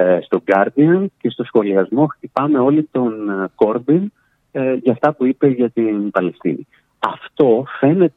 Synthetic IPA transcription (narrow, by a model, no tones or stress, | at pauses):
st̪o̞ɡɐɾd̪iɐnce̞st̪o̞sxo̞liɐzmo̞xt̪ipɐme̞o̞lit̪o̞nko̞ɾbin | ʝɐːft̪ɐpuipe̞ʝɐt̪inpɐle̞st̪ḭni | ɐft̪o̞fe̞ne̞t̪